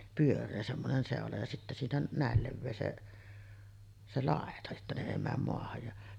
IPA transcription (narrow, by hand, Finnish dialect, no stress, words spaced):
pyørˑeː semːonen seˑolɑ jɑ sitːæ siːnæ næˑel leʋːeː se se lɑˑetɑ etːæ ne eˑi mæːm moɑhɑj jɑ